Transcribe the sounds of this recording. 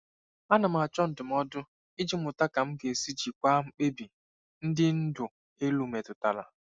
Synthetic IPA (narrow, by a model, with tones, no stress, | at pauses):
a˦na˨m̩˨a˨t͡ʃɔ˦n̩˨dʊ˨m̩˦ɔ˦dʊ˦ | ɪ˦d͡ʒi˦mʊ˨ta˦ka˨m̩˦ɡe˨si˦d͡ʒi˨kʷa˦ŋ͡m̩˦k͡pe˦bi˨ | n̩˦dɪ˦n̩˦dʊ˨ | e˦lu˦me˨tʊ˨ta˨la̰˨